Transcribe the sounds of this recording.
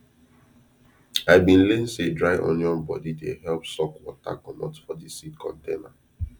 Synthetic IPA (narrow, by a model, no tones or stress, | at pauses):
aɪbĩnlẽnsedɹaɪʔõ̰njɔ̃nbɔ̰didehɛlpsɔkwɔta̰kɔmɔtfɔdisidkʰɔ̰̃ntena